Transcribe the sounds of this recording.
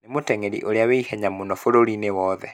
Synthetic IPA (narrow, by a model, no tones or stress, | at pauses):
nemotɛŋeɾḭʔoɾeaweihɛɲamonɔfoɾoɾinewɔðɛ̰